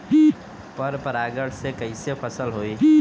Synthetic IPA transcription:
pɐɾpɐɾaːɡəɽsekɐisefʰɐsəlɦoːiː

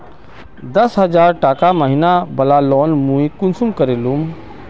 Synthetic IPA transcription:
d̪ɐsɦɐzaːɾʈaːkaməɦinabɐlalɔːnmũːĩkʊnsumkəɾelum

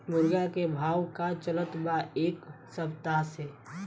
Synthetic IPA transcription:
mʊɾɡakebʱaːwkat͡ʃələt̪baeːk | səbt̪aɦse

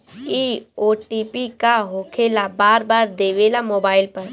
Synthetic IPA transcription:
iːoːʈiːpikaɦoːkʰeːlabaːɾbaːɾd̪eːʋeːlamoːbaːɪlpɐɾ

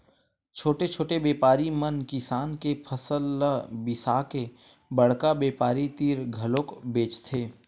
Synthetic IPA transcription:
t͡ʃʰoːʈet͡ʃʰoːʈebeːpaːɾimənkɪsaːnkepʰəsəlbɪsaːke | bəɽ̤kabeːpaːɾit̪iːɾɡʱɐlõːkbeːt͡ʃt̪ʰeː

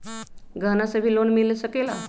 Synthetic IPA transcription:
ɡʱənasəbʱiːlonmiləsəkela̰

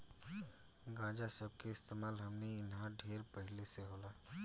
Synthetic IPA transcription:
ɡãːd͡ʒasəb̚keɪst̪eːmaːlɦɐmniɪnɦãɖʱeːɾpəɦɪleseɦoːlaː

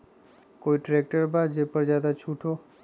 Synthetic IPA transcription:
koːiʈɾeːk̚ʈəɾbad͡ʒeːpəɾzjaːd̪at͡ʃʰuːʈʰoː

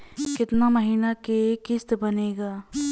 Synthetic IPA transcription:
kɪt̪naməɦiːnakekɪst̪bɐneːɡaː

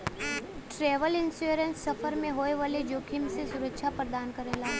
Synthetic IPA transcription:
ʈɾeːʋəlɪnsuɾə̃nsːɐfəɾmẽɦoːeʋaled͡ʒoːkʰɪmsesʊɾəkʃʰapəɾd̪aːnkəɾeːlaː

